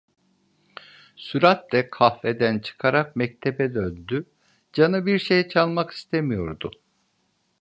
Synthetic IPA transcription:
syɾat̪d̪ɛkʰafed̪ænt͡ʃʰɯ̥kʰaɾak̚mɛc̚t̪ʰebɛd̪ønd̪y | d͡ʒanɯbiɾʃejt͡ʃʰalˠmaki̥st̪ʰemijo̞ɾd̪ʊ

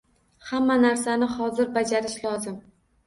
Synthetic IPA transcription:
hamːanaɾsanɪhɒzɪɾbad͡ʒaɾɪʃlɒzɪm

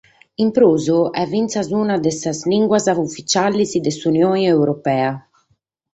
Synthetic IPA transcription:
impɾoːzuɛvːint̪sazuːnad̪ɛsazliŋɡwazavufit͡ʃalːizid̪ɛsunjoːniɛwɾɔpɛːa

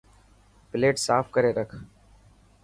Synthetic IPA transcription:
pɪleːʈsaːfkəɾeːɾəkʰ

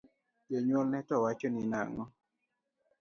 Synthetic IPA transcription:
jeɲɔlnɛtɔwat͡ʃɔnɪna̰ŋɔ

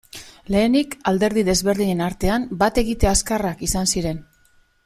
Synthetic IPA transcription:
le̞ːnikald̪e̞ɾðiðe̞zβe̞ɾðiɲe̞naɾt̪e̞ambat̪e̞ɣit̪e̞askarakisansiɾe̞n

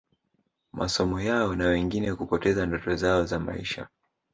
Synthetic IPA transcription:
mʔa̰sɔmɔjaɔnawɛŋɡinɛkupɔtɛzandɔtɔzaɔzama̰iʃa̰

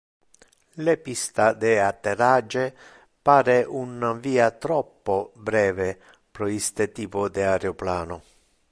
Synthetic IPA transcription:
lepist̪ad̪ɛat̪ːerad͡ʒe | paːɾeʔunaviːat̪ɾɔpːobɾɛːve | pɾɔist̪et̪iːpʊd̪ɪaɾeoplaːnʊ

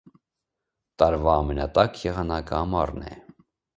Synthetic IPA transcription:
t̪ɑɾvɑːmɛnɑt̪ɑkʰjɛʁɑnɑkəɑmɑrnɛ̰

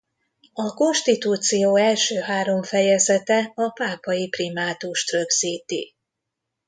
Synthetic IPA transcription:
ɒko̞nʃt̪it̪uːt̪sijoːɛlʃøːɦaːɾo̞ɱfɛjɛzɛt̪ɛɒpaːpɒjiprimaːt̪uʃt̪røɡz̥iːt̪ḭ

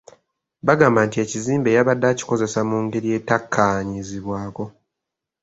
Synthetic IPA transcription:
βaɡaːmbantie̞ciziːmbe̞jaβadːaci̥ko̞ze̞samuːŋɡe̞ɾije̞ːtakʰːaɲiziβwaːko̞

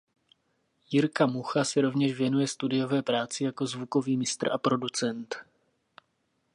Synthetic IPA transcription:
jɪɾkamuxasɛɾo̞vɲɛʃvjɛnujɛst̪udɪjo̞vɛːpɾaːt͡sɪjako̞zvuko̞viːmɪst̪r̩ʔapɾo̞dut͡sɛnt̪

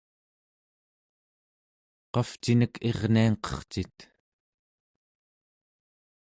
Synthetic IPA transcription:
qɑft͡ʃinəkʰe̞ʁniaŋqʌ̥χt͡ʃit̪

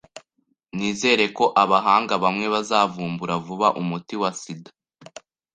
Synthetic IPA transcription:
niːze̞ːɾe̞ko̞ʔaβaɦaːŋɡaβamŋe̞βazaːvuːmbuɾavuβaʔumutiwasida

